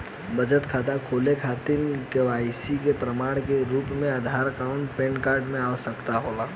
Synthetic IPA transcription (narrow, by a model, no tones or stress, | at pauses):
bəd͡ʒət̪kʰaːt̪akʰoːlekʰaːt̪ɪnkeʋaːɪsikepɾəmaːɽ̃keɾuːpmẽad̪ʱaːɾkaʊ̃ɳʈpẽːnkaːɾɖmẽaːsəkt̪aɦoːlaː